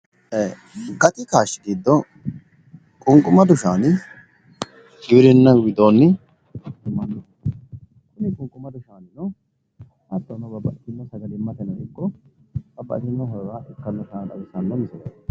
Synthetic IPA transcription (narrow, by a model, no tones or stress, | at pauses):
eː | ɡɐt̪ʼɪkaːʃːɪɡ̪iːd̪ːɔ | kʼʊŋkʼʊmɐd̪ʊʃaːn | ɡɪwɾɪnːɐwɪd̪oːnːɪ | dɪmːand̪ɪ | kʊnɪkʼʊŋkʼːʊmɐd̪ʊʃaːnɪnɔ | ɐt̪ːɔnɔbɐbːɐʔɪt̪ɪnːɔsɐɡɐlɪmːɐt̪ɛnɔɪkːɔb̥ɐbːɐ̰ʔɪt̪ːɪnːɔɦɐɾaːʔɛkːɐnːɔsɐd̪ɐ̰wɪsanːɔmɪsɔdɐ